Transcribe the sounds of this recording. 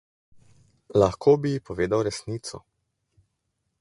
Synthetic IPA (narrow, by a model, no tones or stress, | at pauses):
laxkʰoːbijipɔʋeːd̪awɾɛsniːt̪sɔ̰